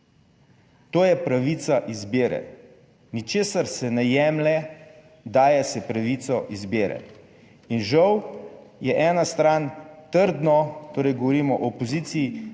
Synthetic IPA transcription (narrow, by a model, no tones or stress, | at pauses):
t̪oːjɛpɾaʋiːt̪saʔizbeːɾɛ̰ | nit͡ʃeːsaɾsɛnɛjɛːmlɛ | d̪aːjɛsɛpɾaʋiːt̪sɔʔizbeːɾɛ̰ | inʒawjɛʔɛːnast̪ɾaːnt̪əɾd̪nɔt̪oːɾɛjɡɔʋɔɾiːmɔʔopɔziːt̪siji